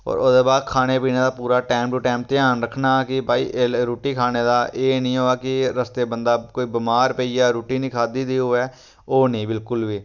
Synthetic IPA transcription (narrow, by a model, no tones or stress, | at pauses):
ɔ̰ːɾoːd̪eːbaːd̪̚kʰaːneːpiːneːd̪aːpuːɾaːʈeːmʈuːʈɛːmt̪jaːnɾəkʰːnaːkɪbaːiːʔɾuːʈiːkʰaːneːd̪aːʔeːnĩːɦoːaːkɪɾəst̪eːbənd̪aːkoːiːbəmaːɾpeːijaːɾuːʈiːnĩːkʰaːd̪iːd̪iːɦoːɛː | oːnĩːbɪlkʊlʋiː